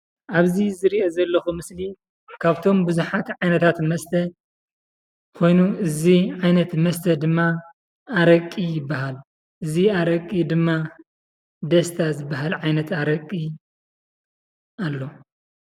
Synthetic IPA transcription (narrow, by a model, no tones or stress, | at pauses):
ʔaβzizɨɾiʔozɐlːɐxumɨsli | kʰaβt̪ʰo̞mbɨzuħat̪ʕajnɐt̪ʰat̪mɐst̪ʰɐ | kʰo̞jnuɨziʕajnɐt̪mɐst̪ʰɐd̪ɨmːaː | ɾɐkʼijɪbːaɦal | ʔɨziaɾɐkʼːid̪ɨmːa | d̪ɐst̪ʰazɨbːaɦalʕajnɐt̪aɾɐkʼːi | alːo̞